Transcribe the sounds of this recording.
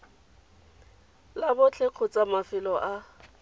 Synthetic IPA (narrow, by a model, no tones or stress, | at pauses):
labʊt͡ɬʰeq͡χʰʊt͡sʼamafɪlɔʔa